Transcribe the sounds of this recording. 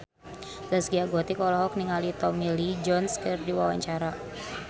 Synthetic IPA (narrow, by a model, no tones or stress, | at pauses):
ləsɡiaɡɔt̪ikɔlɔɦɔk̚niŋalit̪ɔmilid͡ʒɔnskɨrdiwawa̰ɲt͡ʃaɾa